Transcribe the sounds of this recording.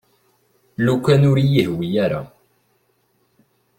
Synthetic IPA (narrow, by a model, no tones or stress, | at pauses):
lukʷːænʊɾjihwijæɾa̰